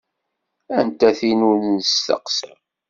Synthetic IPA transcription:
ænt̪æθinulnst̪ə̰qsə

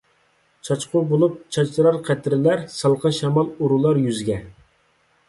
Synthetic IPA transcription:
t͡ʃʰɑt͡ʃqʊbolˠup̚t͡ʃʰɑt͡ʃ̪ɾɑɾqʰæt̪ʰɾɪlæɾsɑlˠqɑnʃɛmɑlˠuɾulˠɑɾjyzɡʲɛ

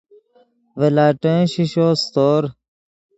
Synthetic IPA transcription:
ʋelaːʈə̃ɕiʃoːst̪oːɾ

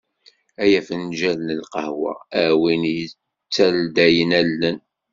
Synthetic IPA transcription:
æjæfənʒælnəlqɑhwɑ̰æwinjə | t͡sːæld̪æjənælːən

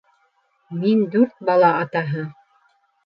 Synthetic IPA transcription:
mind̪ʉɾt̪̚bɑlˠɑɑt̪ɑɦɤ

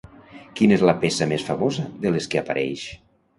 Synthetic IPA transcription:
kinezlɐpesamesfamozəðeleskeapaɾʔɛjʃ

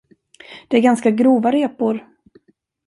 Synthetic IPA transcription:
d̪̥ɛæɾɡanskaɡɾuːvaɾeːpʊɾ

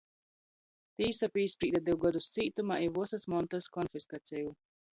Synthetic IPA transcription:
t̪iːsapiːspɾiːd̪ad̪iwɡad̪ust̪siːt̪umaivuɔsasmɔnt̪askɔnfiskat̪sʲɛju

